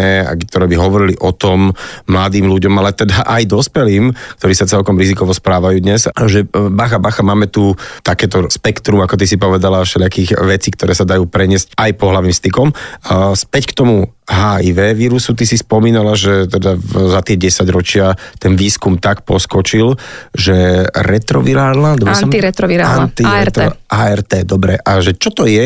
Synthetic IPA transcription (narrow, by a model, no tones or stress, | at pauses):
ɛa̰t̪ɔɾɛːbiɦɔʋɔɾiliʔɔt̪ɔmːlad̪iːmluɟɔmalɛt̪ɛd̪aʔajd̪ɔspɛliːmk̚t̪ɔɾiːsat͡sɛlkɔmɾizikɔʋɔspɾaːʋajuːd̪ɲɛzʒɛbaxabaxamaːmɛt̪ut̪akɛːt̪ɔspɛkt̪ɾumakɔt̪isipɔʋɛd̪alafʃɛʎɪakiːɣʋɛt͡siːkt̪ɔɾɛːsad̪ajuːpɾɛɲɪɛscajpɔɦlaʋiːmst̪ikɔmspɛckt̪ɔmuɦaːiʋɛːʋiːɾusut̪isispɔmiːnalaʒɛt̪ɛd̪azat̪ɪɛɟɛsaɟɾɔt͡ʃɪat̪ɛnʋiːskumt̪akpɔskɔt͡ʃilʒɛɾɛt̪ɾɔʋiɾaːɾnad̪ɔniɾɛt̪ɾɔʋiɾaant̪iɾt̪aɛɾt̪ɛːd̪ɔbɾɛʔaʒɛt͡ʃɔt̪ɔjɛ